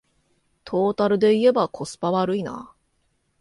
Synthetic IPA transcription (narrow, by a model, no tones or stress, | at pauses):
t̪ʰo̞ːt̪aɾɯ̟d̪e̞ie̞bakʰo̞sɨ̥paβaɾɯ̟ina̰